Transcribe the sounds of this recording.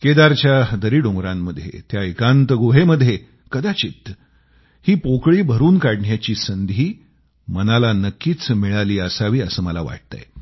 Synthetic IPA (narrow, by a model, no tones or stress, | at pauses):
ked̪aɾt͡ɕjad̪əɾiːɖõŋɡɾamːəd̪ʱjḛt̪jaekãnt̪əɡoɦeməd̪ʱje | kəd̪at͡ɕiːt̪ː | hiːpokɭiːbʱəɾuːnkaɽɳjat͡ɕiːsənd̪ʱiː | mənalanəkːiːt͡smiɭaliːəsaʋiːəsəːməla̰ʋa̰ʈ̚t̪a̰j